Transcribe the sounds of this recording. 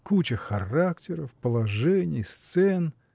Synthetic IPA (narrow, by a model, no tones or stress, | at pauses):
kut͡ɕəxɐraktʲɪɾəfpəlˠɐʐɛnʲɪjst̪sɛn